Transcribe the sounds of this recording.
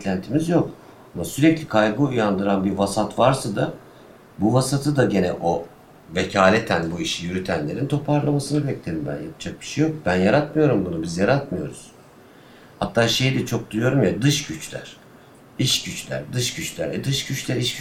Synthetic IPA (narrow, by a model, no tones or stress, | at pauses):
lʲænt̪ʰimizjo̞k | amasyɾɛclʲikʰajɡɯujand̪ɯɾanbiɾvasat̪vaɾsad̪a | buvasat̪ʰɯd̪aɟe̞nɛ̰ʔo̞ | ve̞cʰaːlʲet̪ʰænbuiʃijyɾyt̪ʰænlʲe̞ɾint̪ʰo̞pʰaɾlˠamasɯnɯbɛclʲe̞ɾimbæ̰nja̰pʰd͡ʒak̚bi̥ʃejo̞k̚bænjaɾat̪mɯjo̞ɾumbunubizjaɾat̪mɯjo̞̰ɾuz̥ | ha̰t̪ːaːʃe̞jd̪ɛt͡ʃʰo̞k̚d̪ujujo̞ɾumjad̪ɯʃɟyt͡ʃlʲæ̰ɾ̥ | iʃɟyt͡ʃlʲæ̰ɾd̪ɯʃɟyt͡ʃlʲæ̰ɾɛd̪ɯʃɟyt͡ʃlʲæɾiʃ